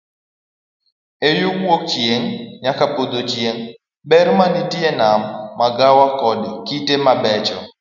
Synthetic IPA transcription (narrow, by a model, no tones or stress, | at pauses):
ejʊkwok̚t͡ʃjeŋɲakapod̪ot͡ʃjeŋ | bɛɾmanitjenamːaɡawakɔdkitemabɛt͡ʃɔ